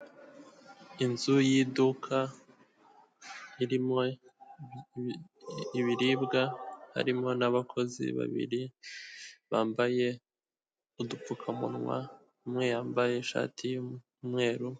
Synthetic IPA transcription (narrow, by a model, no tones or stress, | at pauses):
inzujiːdukʰa | iɾimo | iβiɾibɡaha̰ɾimŋo̞naβakʰo̞zḭβa̰βḭɾi | βaːmbaje̞ | udup͡fukʰamṵnŋwa̰ | mŋejaːmbaje̞ʃa̰ːtʰiju | mŋe̞ːɾu